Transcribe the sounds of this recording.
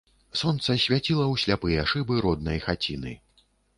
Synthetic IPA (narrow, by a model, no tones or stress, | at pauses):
sɔnt̪sɐsʲvʲat͡sʲilˠɐwɕʲlʲapɨjɛaʂɨbɨɾɔd̪̚nɐjxat͡sʲinɨ̰